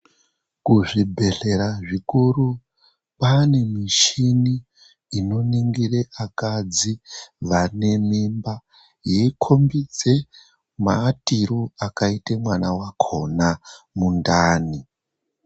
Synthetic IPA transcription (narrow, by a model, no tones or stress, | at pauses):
kuʐibʱe̞ɬe̞ɾaʐikuru | pane̞miʃiniː | no̞niŋɡireʔakad͡ziʋane̞mimba | jeikʰombid͡ze̞ | matiɾoakaitemwanawakʰo̞na | mundaːni